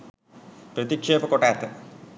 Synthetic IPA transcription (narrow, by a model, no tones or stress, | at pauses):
pɾət̪ikʂeːpəkoʈaːt̪ə